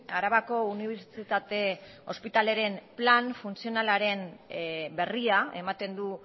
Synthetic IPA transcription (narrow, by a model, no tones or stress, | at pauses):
aɾaβako̞uniβeɾt͡sit̪at̪e̞ | o̞spit̪ale̞ɾe̞mplanfunsio̞nalaɾe̞n | be̞riae̞mat̪e̞nd̪u